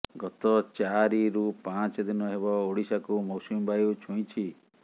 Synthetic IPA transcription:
ɡɔt̪ɔt͡ʃaɾiɾupãt͡ʃɔd̪inɔɦeβɔoɽisakumɔsumbajut͡ʃʰũj̃t͡ʃʰi

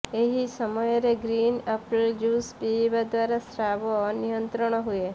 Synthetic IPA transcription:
eɦisəmɔjɾeɡɾinəpɭd͡ʒuspibad̪ʋaɾasɾaʋɔnijənt̪ɾəɳ̃ɔɦue

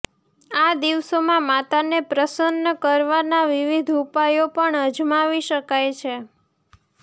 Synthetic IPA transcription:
ad̪iʋsomãmat̪anepɾəsənːəkəɾʋanaʋiʋid̪ʱupajopəɳəd͡ʒmaʋiʃəkajt͡ʃʰe

